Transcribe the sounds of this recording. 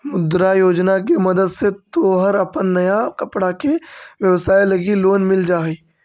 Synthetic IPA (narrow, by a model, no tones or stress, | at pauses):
mʊd̪ɾajoːd͡ʒnak̬emɐd̪əd̪set̪oːɦəɾɐpənːɐjakɐpɽakeʋjəʋsaːjlɐɡiloːnmɪld͡ʒaːi